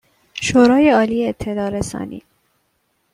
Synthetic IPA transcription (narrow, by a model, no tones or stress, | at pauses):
ʃoːɾɒːjeɒːliːeet̪ʰːelɒːɾesɒ̰ːnḭː